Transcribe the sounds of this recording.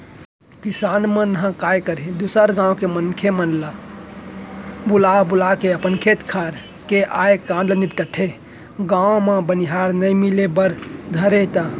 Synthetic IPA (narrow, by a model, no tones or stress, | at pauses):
kisaːnmənɦə̃kajkəɾed̪usəɾɡãõkemənkʰemənla | bulabulakeəpənkʰet̪kʰaɾ | keʔajkãɳɖəlnipʈəʈʰe | ɡãwõmẽbəniɦaɾnəjmilebəɾd̪ʱəɾet̪ə